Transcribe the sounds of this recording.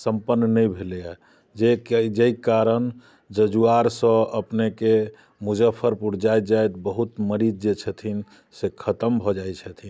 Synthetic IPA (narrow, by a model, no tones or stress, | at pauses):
səmpənːənəjbʱeleja | d͡ʒekd͡ʒejkaɾən | d͡ʒəd͡ʒuaɾsə̃əpneke | mud͡ʒəpʰəɾpuɽ̤d͡ʒajt̪̚d͡ʒajt̪bəɦut̪məɾid͡ʒd͡ʒet͡ʃʰət̪ʰin | sekʰət̪əmbʱɔd͡ʒajt͡ʃʰət̪ʰin